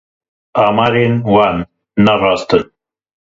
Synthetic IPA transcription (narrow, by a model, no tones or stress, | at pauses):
aːmaːɾeːnwaːnː | ɐrɑːst̪ən